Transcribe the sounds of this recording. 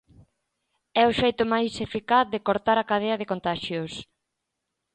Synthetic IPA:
ɛoʃejt̪ʊmajsefikaθðekoɾt̪aɾakaðeɐðekont̪aʃjos

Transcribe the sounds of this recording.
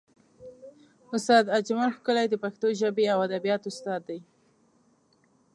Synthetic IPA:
ʊst̪ɑd̪ad͡ʒmanxkəlajd̪əpaxt̪oʒabeawad̪abijɑt̪ʊst̪ɑd̪ːaj

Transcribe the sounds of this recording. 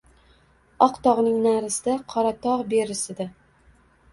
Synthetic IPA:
ɒqt̪ɒʁnɪŋnaɾɪsɪd̪aqʰɒɾat̪ʰɒʁbe̞ɾɪsɪd̪ɪ

